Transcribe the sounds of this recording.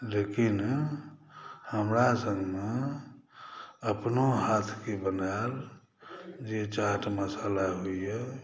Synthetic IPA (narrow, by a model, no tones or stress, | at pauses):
lekin | həmɾasə̃ŋɡme | əpnoɦat̪ʰkebənael | d͡ʒet͡ʃaʈməsalaɦoijə